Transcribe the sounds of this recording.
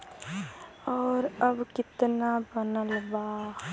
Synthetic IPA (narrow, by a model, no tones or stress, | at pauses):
ɔːɾɐbkɪt̪nabənəlbaːx